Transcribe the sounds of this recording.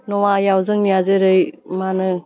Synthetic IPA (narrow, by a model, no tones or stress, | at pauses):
nɔwajawzɯŋnijazeɾɯjmanɯ